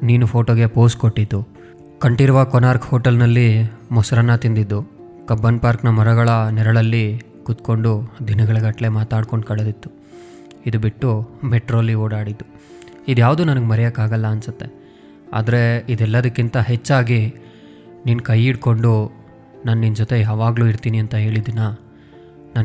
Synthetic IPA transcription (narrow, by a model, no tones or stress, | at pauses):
niːnupʰo̞ːʈoːɡe̞po̞ːskoʈːid̪ːu | kɐɳʈiɾɐʋaːkɔnaːɾkhoːʈɐlnɐlːimɔsɐɾɐnːɐt̪ind̪id̪ːu | kɐbːɐnpaːɾknɐmɐɾɐɡɐɭɐnɛɾɐɭɐlːi | kut̪ko̞ɳɖud̪inɐɡɐɭɐɡɐʈle̞maːt̪aːɖko̞ɳɖkɐɭed̪it̪ːu̥ | id̪ubiʈːumeʈɾoːlioːɽaːɽid̪ːu | id̪jaːʋd̪uːnɐnɐɡemɐɾɛjakːaːɡɐlːɐːnsut̪ːe̞ | a̰ːd̪ɐɾe̞id̪ɛlːɐd̪ɐkːint̪ɐɦet͡ʃːaːɡi | niːnkɐjiɽko̞ɳɖu | naːnːind͡ʒot̪e̞jaːʋaːɡluːiɾt̪iːniɐnt̪ɐɦe̞ːɭid̪nːɐ | naːn